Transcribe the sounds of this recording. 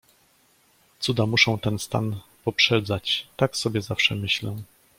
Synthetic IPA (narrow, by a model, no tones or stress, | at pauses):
t̪sud̪amuʂɔ̃w̃t̪ɛnst̪a̰n | pɔpʂɛd̪zat͡ɕt̪aksɔbʲjɛzafʂɛmɘɕlɛ